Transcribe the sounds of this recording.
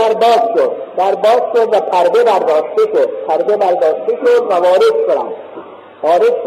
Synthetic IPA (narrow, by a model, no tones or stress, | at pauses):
æɾbɒːzʃod̪d̪æɾbɒːzʃod̪væpʰæɾb̪ebæɾd̪ɒːʃt̪eʃod̪̚pʰæɾb̪ebæɾd̪ɒːʃt̪eʃod̪ʋævɒːɾed̪kʰoɾæ̰m | vɒːɾed̪